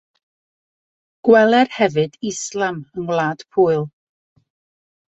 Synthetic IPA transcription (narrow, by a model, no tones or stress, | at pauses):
ɡ̥wɛlˠɛrhɛvɨdɪslˠamənlˠaːd̥pʰuːɨlˠ